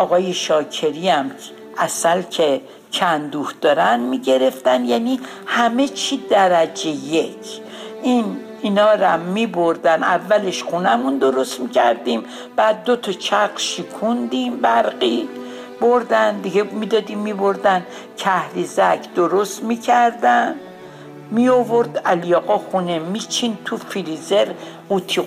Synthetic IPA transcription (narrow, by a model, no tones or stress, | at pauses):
ɒːɣɒːje̞ʃɒːcʰe̞ɾiæm | ʔæsælkʰe | kʰænd̪uːhd̪̥ɒːɾænmiɟe̞ɾe̞ft̪ænjæːni | hæme̞t͡ʃʰid̪æɾæd͡ʒe̞jecʰ | ʔin | inɒːɾæmːiboɾd̪ænævːæle̞ʃχunæmund̪o̞ɾo̞st̪micʰæ̰ɾd̪im | b̥æːd̪̚ːot̪ʰɒt͡ʃʰæɣʃikʰund̪imbæɾɢi | boɾd̪ænd̪iɡemid̪ɒːd̪imːibo̞ɾd̪æn | kʰæhɾizækʰd̪̥o̞ɾost̪micʰæɾd̪æn | miovo̞ɾd̪æljɒːɣɒxunemit͡ʃʰint̪ʰufilizeɾ | ut̪ʰi